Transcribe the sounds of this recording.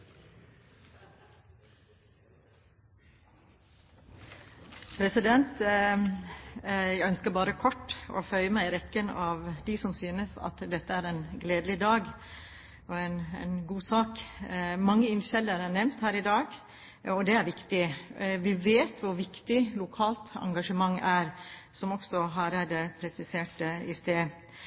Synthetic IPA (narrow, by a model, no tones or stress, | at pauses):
pʰɾɛsɪd̪ɛnt̪ | jæɡœnskəɾbɑːɾəkʰɔʈːɔ̰fœʏəmæɪɾɛkːənɑʋd̪ɪsɔmsyːnəsɑ̰t̪d̪ɛt̪ːəæɾɛnɡleːd̪lɪd̪ɑːɡ | ɔɛnɛ̰nɡuːsɑːkmɑŋːəɪnʃɛlːəɾænɛmt̪hæːɾɪd̪ɑːɡ | ɔd̪ɛæɾʋɪkt̪ɪʋɪʋeːt̪ʰʋʊɾʋɪkt̪ɪlʊkʰɑːlt̪ɑ̰ŋɡɑʂəmɑŋːæɾsɔmɔksɔɦɑɾæd̪ɛpʰɾɛsɪseːʈəɪst̪eː